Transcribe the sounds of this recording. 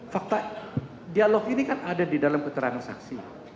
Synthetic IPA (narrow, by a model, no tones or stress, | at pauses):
fak̚t̪a | dialɔkinikanadadidalamkət̪əɾaŋansa̰ksi